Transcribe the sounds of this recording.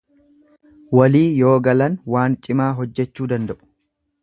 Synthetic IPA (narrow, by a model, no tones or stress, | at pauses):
wɐliːjo̞ːɡɐlɐnwaːnt͡ʃʼɪmaːɦɔd͡ʒːɛt͡ʃːuːd̪ɐnd̪ɐʔʊ̥